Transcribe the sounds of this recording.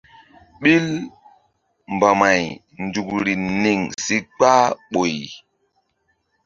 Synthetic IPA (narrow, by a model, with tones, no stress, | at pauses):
ɓi˦l | m˨ba˨ma˨j | ndu˨kɾi˨ni˨ŋsi˦k͡pa˦ɓo˨j